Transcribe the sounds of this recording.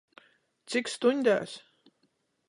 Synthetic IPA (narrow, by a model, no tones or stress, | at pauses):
t̪sikst̪unʲd̪ʲæ̰ːs